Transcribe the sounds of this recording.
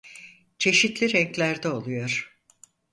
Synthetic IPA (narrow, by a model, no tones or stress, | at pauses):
t͡ʃʰe̞ʃit̪lʲiɾɛŋklʲæɾd̪ɛo̞lˠujo̞ɾ̥